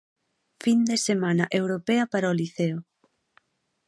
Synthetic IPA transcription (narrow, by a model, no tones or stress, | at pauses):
find̪esemãnɐʔewɾopɛɐpaɾaoliθeo